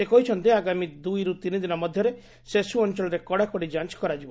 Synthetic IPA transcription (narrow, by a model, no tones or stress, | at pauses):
sekɔɦit͡ʃʰɔnt̪iaɡamid̪ujɾut̪inid̪inɔmɔd̪ʱjɔɾe | sesuɔnt͡ʃɔlɔɾekɔɽakɔɽid͡ʒant͡ʃkɔɾad͡ʒibɔ